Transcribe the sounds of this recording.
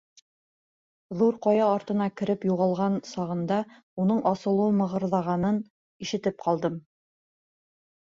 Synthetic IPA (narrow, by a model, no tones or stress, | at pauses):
ðuɾqɒjɑːɾt̪ɤ̆nɑkɘ̆ɾɘpjuʁɑlˠʁɑnsɑʁɤ̆nd̪ɑ | unɤɴʔɒsɤ̆lˠuɤmɤ̆ʁɤ̆ɾðˠɑʁɑnɤn | iʃɘ̆t̪ɘp̚qʰɑlˠd̪ɤm